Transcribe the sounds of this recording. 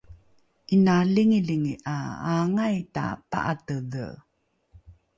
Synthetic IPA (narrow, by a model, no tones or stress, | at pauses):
ʔinaliŋiliŋiʔaaŋajta̰pa̰ʔa̰tədə̰